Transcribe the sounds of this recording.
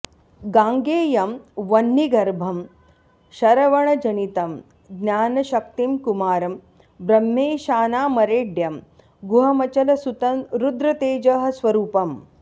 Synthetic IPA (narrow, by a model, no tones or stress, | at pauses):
ɡãːŋɡeːjɐmʋɐnːiɡɐɾbʱɐm | ʃɐɾɐʋɐɳɐd͡ʒɐnit̪ɐm | ɡnjaːnɐʃɐk̚t̪imkumaːɾɐm | bɾɐmːeːʃaːnaːmɐɾeːɖjɐm | ɡuɦɐmɐt͡ʃɐlɐsut̪ɐɾud̪ɾɐt̪eːd͡ʒɐɦɐ̆sʋɐɾuːpɐm